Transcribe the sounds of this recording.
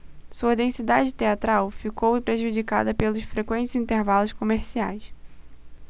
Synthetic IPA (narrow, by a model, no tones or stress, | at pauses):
suɐd̪ẽsid̪ad͡ʒɪt̪eat̪ɾawfikowɪpɾeʒud͡ʒika̰d̪ɐpelʊʃfɾekwẽnt͡ʃɪzĩnt̪eɾvalʊʃkomeɾsia̰js